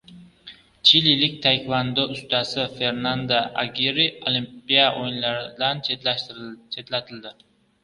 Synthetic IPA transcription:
t͡ʃʰililɪk̚ʲt̪ʰajkvand̪ʊʊst̪ʰasɪfe̞ɾnand̪aʔaɡʲiɾiolimppijaʔojɪnlaɾɪd̪ant͡ʃʰe | t͡ʃʰe̞t̪lat̪ʰɪld̪ɪ

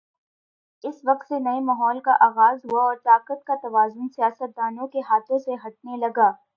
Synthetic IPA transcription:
ɪsʋɐq̚t̪senɐemaːɦɔːlkaʔaːɣaːzɦuaɔːɾt̪aːqət̪̚kat̪ɐʋaːzʊnsijaːsət̪̚d̪aːnõkeɦaːt̪ʰõseɦɐʈ̚nelɐɡaː

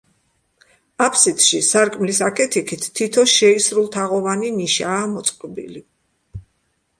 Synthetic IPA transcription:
apʰsit̪ʰʼʃisaɾkʼmlisakʰɛt̪ʰikʰit̪ʰːit̪ʰɔʃɛisɾulˠt̪ʰaʁɔvaniniʃaːmɔt̪sʼqʼɔbḭli

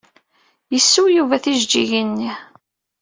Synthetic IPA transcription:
jəsːujuvæθiʒd͡ʒiʝinːi

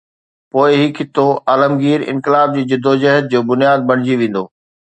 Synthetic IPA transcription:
poːɪɦɪkʰɪt̪oʔaːləmɡiːɾɪ̰̃nkɪlaːb̚d͡ʑiːd͡ʑɪd̪ʱːod͡ʑɐɦəd̪̚d͡ʑoːbʊnjaːd̪̚bɐɽ̃ɪd͡ʑiʋẽːn̆d̪oː

